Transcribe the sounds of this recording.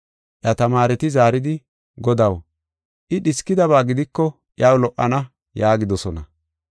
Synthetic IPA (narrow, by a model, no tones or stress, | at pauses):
ʔjɐt̪ɐmaːɾɛt̪ɪzaːɾɪd̪ɪ | ɡɔd̪ɐw | ʔɪɗɪskːɪd̪ɐβaːɡɪd̪ɪkːɔ | ʔɪɐwlɔʔːɐnɐ | jaːɡɪd̪ɔsɔnɐ